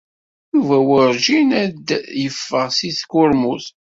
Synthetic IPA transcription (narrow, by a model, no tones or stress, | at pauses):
juvæwəɾʒinæd̪jəfːəʁsiθkʊɾmuθ